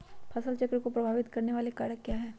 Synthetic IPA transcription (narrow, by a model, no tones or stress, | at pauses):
pʰɐsəlt͡ʃɐkɾekopɾɐbʱaːʋɪt̪kɐɾneʋaːlekaːɽəkːjaːɦɛː